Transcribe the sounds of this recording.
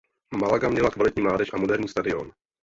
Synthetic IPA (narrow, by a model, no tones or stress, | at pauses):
malaɡamɲɛlakvalɪt̪ɲiːmlaːdɛʃʔamo̞dɛɾɲiːst̪adɪo̞̰n